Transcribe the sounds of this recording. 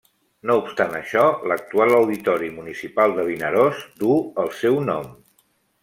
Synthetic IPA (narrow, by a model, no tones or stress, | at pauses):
noupst̪anəʃɔlək̚t̪ualəwðit̪ɔɾimunisipalˠd̪əβ̞inəɾozd̪uəlˠsɛwnɔm